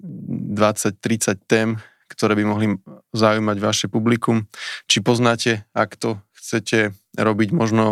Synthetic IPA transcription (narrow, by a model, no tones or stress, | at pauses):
d̪ʋat͡sac̚t̪ɾit͡sac̚t̪ɛːm | kt̪ɔɾɛːbimɔɦlizaujmaɟʋaʃɛpublikumt͡ʃipɔznaːcɛakt̪ɔxt͡sɛcɛɾɔbiɟmɔʒnɔ